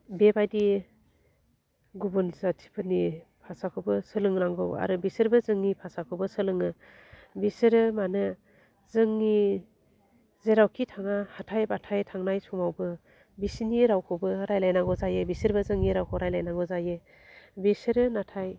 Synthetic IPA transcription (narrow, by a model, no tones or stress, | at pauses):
bebajdi | ɡubunzatʰi̥pʰɯnipʰasakʰɯwbɯsɯlɯŋɾaŋɡɯwa̰ɾɯbisɯɾbɯzɯŋnipʰasakʰɯbɯsɯlɯŋɯ | bisɯɾɯmanɯ | zɯŋːi | zeɾawkʰitʰaŋahatʰajbatʰajtʰaŋnajsumawbɯ | bisiniɾawkʰɯbɯɾajlajnaŋɡɔzajɯbisɯɾbɯzɯŋːiɾawkʰɯwɾajlajnaŋɡɔzajɯ | bisɯɾɯnatʰaj